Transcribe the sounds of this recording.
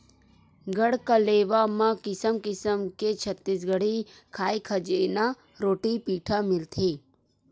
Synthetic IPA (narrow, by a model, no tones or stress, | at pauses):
ɡəɽkəleːʋamãkɪsəmkɪsəmket͡ʃʰət̪ːis̬ɡəɽi | kʰaːikʰəd͡ʒeːna | ɾoːʈipiːʈʰamɪlt̪ʰeː